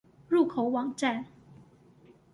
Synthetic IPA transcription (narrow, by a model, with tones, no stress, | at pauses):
ɻu˥˩kʰo˨˩˦ʊwɑ˨˩ŋʈ͡ʂa˥˩n